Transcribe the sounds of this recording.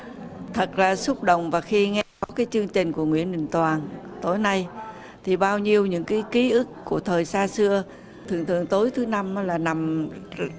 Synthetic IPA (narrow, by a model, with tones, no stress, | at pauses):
t̪ʰə˨˩k̚laː˨˩sʊ˦˥k͡p̚ɗə̰˧˨wŋ͡mvaː˨˩xi˧ŋɛ˧kɔ˨˦kaː˨˦jt͡ɕɨ˧əŋt͡ɕï˨˩ŋ̟ku˧˩əŋwḭ˧˥ənɗï˨˩ŋ̟t̪waː˨˩nt̪o˨˦jna˧j | t̪ʰi˨˩ɓaː˧wɲi˧əwɲɨ̰˧˥ŋkaː˨˦jki˨˦ʔɨ˦˥kku˧˩ət̪ʰəː˨˩jsaː˧sɨ˧ə | t̪ʰɨ˨˩əŋt̪ʰɨ̰˨əŋt̪o˨˦jt̪ʰɨ˨˦na˧mnɔ˨˦laː˨˩na˨˩m